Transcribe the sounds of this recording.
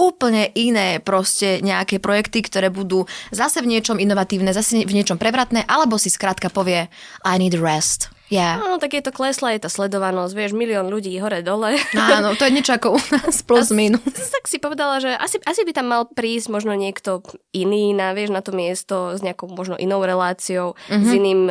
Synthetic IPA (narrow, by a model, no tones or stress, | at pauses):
uːpl̩ɲɛʔinɛːpɾɔscɛɲɛakɛːpɾɔjɛkt̪ikt̪ɔɾɛːbud̪uːzasɛvɲɪɛt͡ʃɔminɔʋat̪iːʊnɛzasɛvɲɪɛt͡ʃɔmpɾɛʋɾat̪nɛːʔalɛbɔsiskɾaːt̪kapɔʋɪɛʔajniːd̪ɹɛst̪ | jɛaːnɔt̪aɡjɛt̪ɔklɛslajɛt̪aːslɛd̪ɔʋanɔzɟʋɪɛʒmiliɔːnʎuɟiːɦɔɾɛd̪ɔlɛanɔt̪ɔjɛɲɛt͡ʃɔakɔunaːspluzminut̪aksipɔʋɛd̪alaʒɛʔa̰siʔasibit̪amːalpɾiːzɟ̥mɔʒnɔɲɪɛkt̪ɔiniːnaʋɪɛʒnat̪ɔmɪɛst̪ɔzɲɛakɔʊmɔʒnɔʔinɔʊɾɛlaːt͡siɔʊɦziniːm